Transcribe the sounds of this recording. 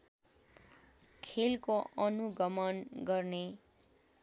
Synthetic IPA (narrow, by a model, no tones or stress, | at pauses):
kʰelkoʔʌnuɡʌmʌnɡʌrne